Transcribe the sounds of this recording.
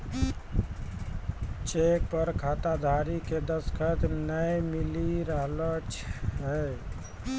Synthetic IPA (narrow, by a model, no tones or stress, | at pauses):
t͡ʃek̚pəɾkʰat̪ad̪ʱaɾiked̪əskʰət̪nəjmiliɾəɦlət͡ʃɦɛ